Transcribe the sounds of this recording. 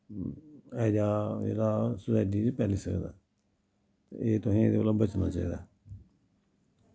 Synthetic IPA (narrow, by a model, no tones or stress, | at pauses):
ɛːd͡ʒaːḛːɾaːsʊsaːiʈ̬iːt͡ʃːpɛːliːsəkd̪a̰ː | t̪eeːt̪ʊsĩːeːd̪eoːlaːbət͡ʃna̰ːt͡ʃa̰ːiːd̪aː